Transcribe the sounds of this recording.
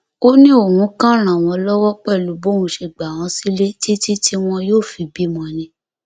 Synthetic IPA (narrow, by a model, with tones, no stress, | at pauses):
o˦nĩ˦o˦˨hũ˨˦kã˦˨ɾ̃ã˨w̃ɔ̃˧lɔ˦wɔ˦k͡pɛ˦˨lu˨˦bo˦ũ˧ʃe˧˨ɡ͡ba˨w̃ɔ̃˨˧˦si˦le˦ti˦ti˦tʰi˦w̃ɔ̃˧joː˦˨fi˨˧bi˦mɔ̃˧nĩ˧